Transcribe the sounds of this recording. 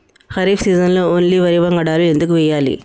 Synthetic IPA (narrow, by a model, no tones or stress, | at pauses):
xɐɾiːfʰsiːzɐnloːoːnliʋɐɾiʋɐŋɡɐɽaːluend̪ukːuʋɛjːaːlḭ